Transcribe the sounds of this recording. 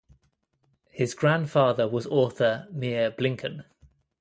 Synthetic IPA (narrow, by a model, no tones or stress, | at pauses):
hɪzɡɹãnd̥fɑːðəwɒzɔˑθəmɪəblɪ̃ŋkʰə̃n